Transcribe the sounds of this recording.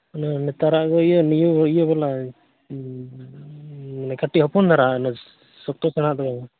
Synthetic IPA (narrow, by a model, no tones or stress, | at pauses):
nɔnɛt̪aɾaʔɡɔijɔnijubɔijɔbala | manakaʈiɦɔpɔnd̪aɾanɔ | sɔk̚t̪ɔsɛnaʔd̪ɔɡɔŋɔ